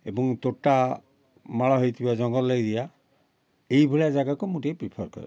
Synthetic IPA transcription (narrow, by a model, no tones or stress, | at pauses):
ebɔŋtotːa | malaɦojt̪ʰibazɔŋɡɔlːojdija | ejbʱulazaɡakomutejpɹipʰɔɹkɔ̰ɹɛ̰